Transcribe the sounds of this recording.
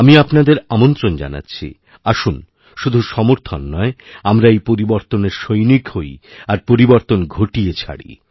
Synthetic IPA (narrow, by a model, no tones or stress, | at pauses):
amiapnad̪eɾamont̪ɾond͡ʑa̰na̰tːɕʰḭ | aʃun | ʃud̪ʱuʃɔmoɾt̪ʰonːɔeamɾaejpoɾiboɾt̪oneɾʃojnikhojaɾpoɾiboɾt̪onɡʱoʈijet͡ɕʰa̰ɽḭ